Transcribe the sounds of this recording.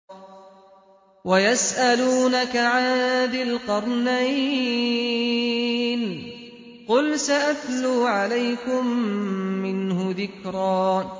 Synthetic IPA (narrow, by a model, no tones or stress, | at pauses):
wajasʔaluːnakaʕaːd̪ɪlqɑɾˤnaj | n | qʊlsaʔat̪luːʕalajkʊmː | ɪnhʊðɪkɾˤɑː